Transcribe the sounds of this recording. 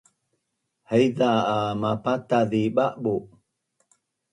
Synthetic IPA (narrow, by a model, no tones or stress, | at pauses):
həjðaamapataðiɓaʔɓo